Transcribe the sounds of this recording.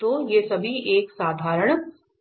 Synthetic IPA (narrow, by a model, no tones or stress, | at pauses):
ojesɐbʱieːksaːd̪ʱaːɾəɽ̃